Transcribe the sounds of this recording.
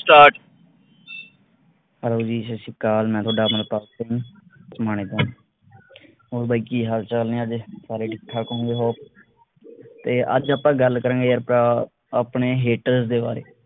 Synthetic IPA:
sʈaːʈ | həloːd͡ʒiːsesɪkaːlmɛ̃ːt̪ʰoaːɖaːməɾp̪aːs̚t̪ẽũːsmaːñeːt̪õː | oːɾbaːiːkiːɦaːlt͡ʃəlnẽːəd͡ʒsaːɾeːɖɪʈʰːaːkõŋɡeːɦoː | t̪eːʔə̰d͡ʒaːpãːɡəlkəɾə̃ːɡeːəɾpɾaː | aːpɳeːɦeːʈəɾsd̪eːba̰ːɾḛː

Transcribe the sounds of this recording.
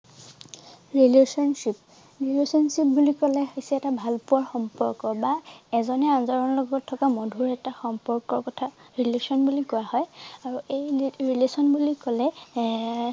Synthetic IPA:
ɹilesɔnsip̚ | ɹilesɔnsip̚bulikɔlɛxesɛɛtabʱalpʊaɹxɔmpɔɹkɔbaɛzɔnɛanzɔɹɔnlɔɡɔtʰːɔkamɔdʱuɹɛtaxɔmpɔɹkɔɹkɔtʰaɹilesɔnbulikɔwahɔjaɹuejɹilesɔnbulikɔlɛ

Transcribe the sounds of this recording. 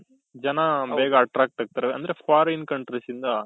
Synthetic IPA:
d͡ʒɐnɐbɛːɡɐːʈɾaːk̚ʈɐːɡ̚t̪ɐɾeɐ̰nd̪ɐɾefʰaːɾinkɐɳʈɾɐsind̪ɐ

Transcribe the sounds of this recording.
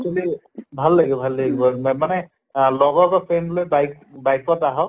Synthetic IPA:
t͡ʃoli | bʱalːaɡiɔbʱalːaɡibɔmanɛ | lɔɡɔkɔpʰenlojbajk | bajkɔtaɦɔ

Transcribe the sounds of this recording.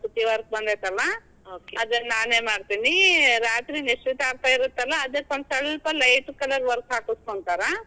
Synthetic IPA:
pɾut̪iʋɐɾk̚bɐnd̪et̪ɛlːɐ | oːkeɐd̪ɐnːaːneːmaːɖt̪iniɾaːt̪ɾiniʃɾit̪aːɾt̪aiɾut̪ːɛlːɐːd̪ekɐɳsɐlpɐlɐjʈkɐlɐɾʋɐɾksaːkuskoɳt̪aːɾa

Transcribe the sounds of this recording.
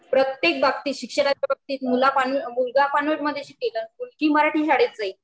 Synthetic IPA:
pɾət̪jek̚bʱak̚t̪iːɕikʂəɽat͡ɕabak̚t̪iːt̪mulapanʋmulɡapanʋeɾməd̪ʱːjeɕikelənmulɡiːməɾaʈʰiːɕaɽet̪̚d͡zai

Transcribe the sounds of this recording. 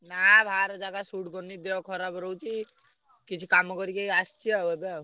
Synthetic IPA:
nabʱaɾd͡ʒaɡasuʈɡɔnid̪eɔkʰɔɾabɾɔwt͡ʃʰi | kit͡ʃʰikamɔkɔɾikeiast͡ʃʰiawebe

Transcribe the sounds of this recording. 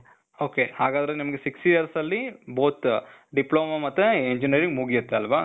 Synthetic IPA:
oːkehaːɡaːd̪ɐɾenimɐɡesiksʈijɐɾsɐlːiboːt̪ɖiploːmamɐt̪ːeeɲd͡ʒiniɐɾiŋɡmuːɡijɐt̪ːeɐlʋaː

